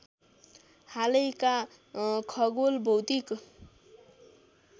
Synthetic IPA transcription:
halʌjka | kʰʌɡolbʱʌwt̪ik

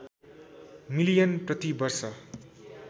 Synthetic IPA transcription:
milijʌnprʌt̪ibʌrsʌ

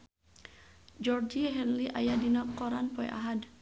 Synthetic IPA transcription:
d͡ʒɔrd͡ʒiɦɛnliʔa̰jadinakɔɾanpɔɛ̰ʔa̰ɦad

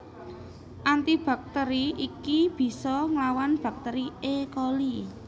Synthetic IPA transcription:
ʔant̪ib̥a̤k̚t̪əɾiikib̥i̤sɔŋlawanb̥a̤k̚t̪eɾiekɔli

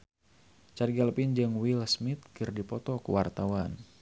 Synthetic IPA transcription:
t͡ʃarɡaləpind͡ʒɨŋwilsmit̪̚kɨrdipɔt̪ɔkṵwart̪awan

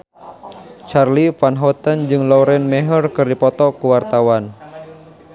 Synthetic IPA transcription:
t͡ʃarlifanɦɔt̪ənd͡ʒɨŋlɔɾɛnmɛɦərkɨrdipɔt̪ɔkuwart̪awan

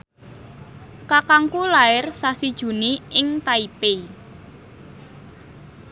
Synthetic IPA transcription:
kakaŋkulaɪrsasid̥ʒ̥ṳniʔɪŋt̪aipe

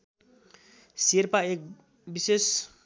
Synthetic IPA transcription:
siɾpaek̚ | bises

